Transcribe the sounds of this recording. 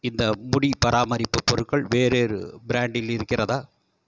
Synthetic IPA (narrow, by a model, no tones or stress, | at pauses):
ɪnd̪ɐmʊɽipɐɾʔaːmɐɾɪpːɯpːɔɾɯʈkːɐɭʋeːɾeːɾɯ̰bɪɾaːɳɖɪlɪɾɯkːɪrɐðaː